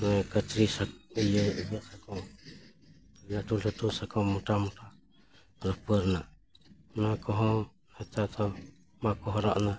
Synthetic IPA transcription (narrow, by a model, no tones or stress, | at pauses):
nakat̪ɾisaijabasakɔ | lat̪ulat̪usakɔmut̪amut̪a | ɾɔpərna | nakɔɦɔ | at̪at̪a | makɔɦɔɾa̰ʔna